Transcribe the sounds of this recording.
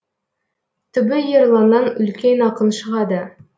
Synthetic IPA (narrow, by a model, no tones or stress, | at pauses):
t̪ɵ̆bɘjɤ̆ɾlˠɑnːɑnɵ̆lkʲenɑqɤnʃɤ̆ʁɑd̪ɤ